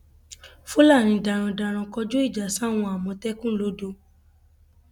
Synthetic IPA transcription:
fu˦la˦˨ɾ̃ĩ˧da˨ɾ̃ã˧da˧ɾ̃ã˧kɔ˧d͡ʒo˦i˦˨d͡ʒa˨sa˦˨w̃ɔ̃˧a˨mɔ̃˧tɛ˦kũ˦lo˨˦do˧˦

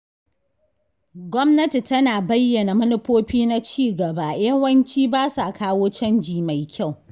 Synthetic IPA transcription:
ɡʷɔ˦mnɐ˦ti˨tɐ˦naː˨bɐ˦jːɐ˨na˨mɐ˦nɪ˦ɸoː˦ɸiː˦na˦t͡ʃiː˦˨ɡɐ˨baː˦˨jɐ˦wɐ˦nt͡ʃiː˦baː˦sa˨kaː˦woː˦t͡ʃɐ˦nd͡ʒiː˨ma˨jkʲʰa˦˨w

